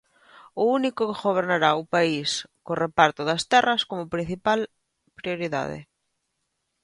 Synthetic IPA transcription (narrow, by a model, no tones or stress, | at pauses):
ʊunikʊkeɣoβ̞eɾnaɾaʊpaiskorepaɾt̪ʊðɐst̪ɛrɐskomʊpɾin̟θipal | pɾioɾiða̰ðɪ̰